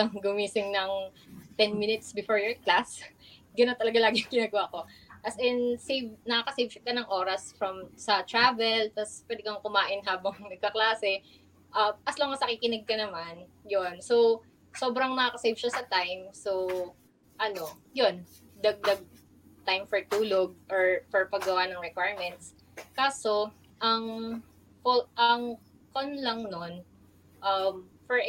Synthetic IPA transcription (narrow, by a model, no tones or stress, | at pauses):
ɐŋɡʊmiːsɪŋnɐŋ | t̪ɛnminɪt̪̚sbɪfoɹjɔɹklasɡɐnot̪ɐlɐɡalaːɡɪjŋkɪnaɡwaʔko̞ʔɐsɛnsejvnɐkakɐsejvʃɐkɐnɐŋʔo̞ːɾɐsfɹɐmsɐt̪ɹaːvɛlt̪ɐspwɛːd̪ɪkɐŋkʊmaːʔɪnɦaːbɐŋnɐɡ̚kɐklaːsɛ | ʔɐʔɐsloŋɐsɐkɪkɪnɛɡ̚kɐnɐman | jonso̞w | so̞ːbɾɐŋnɐakɐsejvʃɐsɐt̪ajmso | ʔɐno̞jon | d̪ɐɡ̚d̪ɐɡ̚ | t̪ajmfɛɹt̪uːloɡ̚ʔoɹpɛɹpɐɡɡɐwanɐŋɹɛkwajɹmɛnt̪̚s | kaːso | ʔɐŋ | koʔɐŋ | konlɐŋnon | ʔɐmfɛɹ